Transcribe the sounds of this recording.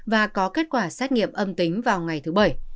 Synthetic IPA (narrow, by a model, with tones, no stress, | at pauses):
vaː˨˩kɔ˨˦ke˦˥t̚kwaː˧˩saː˦˥t̚ŋḭ˧˨əmʔə˧mt̪ï˨˦ŋ̟vaː˨˩wŋa˨˩jt̪ʰɨ˨˦ɓə˧˩j